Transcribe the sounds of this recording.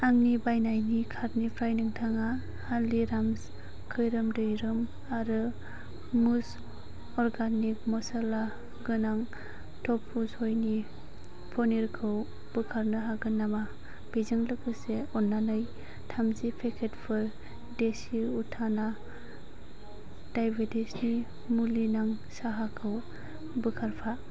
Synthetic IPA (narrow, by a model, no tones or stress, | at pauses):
aŋnibajnajnikʰaɾnipʰɾajnɯŋtʰaŋa | haliɾams | kʰɯjɾɯmdɯjɾɯm | aɾɯ | mus | ɔɾɡanik̚mɔsala | ɡɯnaŋ | tʰɔpʰːushojni | pʰɔniɾkʰɯw | b̥ɯkʰaɾnɯɦaɡɯnama | b̥ezɯŋlɯkɯseɔnːanɯj | tʰamzipʰekʰetpʰɯɾ | desiutʰana | d̥ajbedisni | mulinaŋ | saɦakʰɯw | bɯkʰaɾpʰa